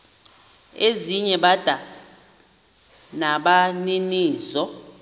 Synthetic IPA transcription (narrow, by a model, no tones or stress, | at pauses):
eziɲɛɓad̥ʱa | naɓaniniːzɔ